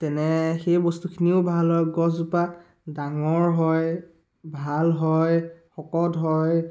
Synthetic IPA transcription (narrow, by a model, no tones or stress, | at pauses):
tɛnɛxejbɔstukʰiniʊbʱalɦɔjɡɔzupa | daŋɔɹɦɔj | bʱalɦɔjxɔkɔdɦɔj